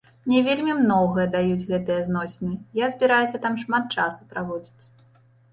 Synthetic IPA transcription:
mnʲɛvʲelʲmʲimnɔɣɐjɐd̪ajud͡zʲɣɛt̪ɨjɐznɔsʲnɨjazʲbʲiɾajusʲɐt̪amʂmat̪̚t͡ʂasu̥pɾavɔd͡zʲit͡sʲ

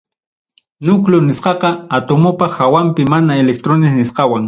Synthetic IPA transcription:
nʊklʊnɪsqɑqɑat̪omopɑxawampɪmanaelek̚t̪ɾonɪsnɪsqɑwaŋ

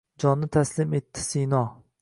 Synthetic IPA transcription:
d͡ʒɒnːɪt̪ʰæslɪmet̪ʰːɪ̥sijnɑ

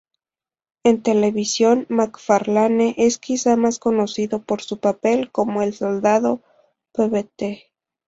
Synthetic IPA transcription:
e̞nt̪e̞le̞βisjo̞nmakfaɾlaneʔe̞skisamasko̞no̞siðo̞po̞ɾsupape̞lko̞mo̞elso̞ld̪aðo̞ | peβet̪e

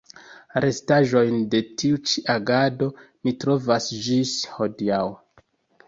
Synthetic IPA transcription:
ɾʔe̞staʒo̞jnde̞tiut͡ʃiʔaɡado̞ | mitɾo̞vasd͡ʒisho̞diaw

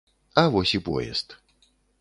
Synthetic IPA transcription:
ɐvɔsʲipɔ̰jɛ̰st̪

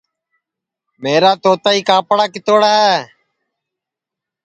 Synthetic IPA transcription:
meːɾaːt̪oːt̪aːiːkaːpɽaːkɪt̪oːɽaːɦɛː

